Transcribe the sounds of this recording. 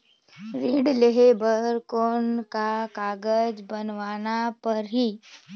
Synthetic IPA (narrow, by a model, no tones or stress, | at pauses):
ɾiːɽleɦebəɾkoːnkakaːɡəd͡ʒbɐnʋaːnapɐɾɦiː